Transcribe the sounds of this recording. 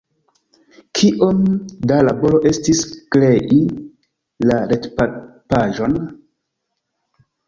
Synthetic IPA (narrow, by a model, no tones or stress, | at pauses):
kʰiʔo̞mdalabo̞lo̞ʔe̞stiskle̞ʔi | laɾetpapaʒo̞n